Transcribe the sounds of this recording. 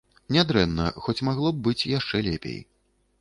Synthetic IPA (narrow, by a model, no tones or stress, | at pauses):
nʲad̪ɾɛnːɐ̰xɔt͡sʲmaɣlˠɔb̚bɨt͡sʲjaʂt͡ʂɛlʲɛpʲḛj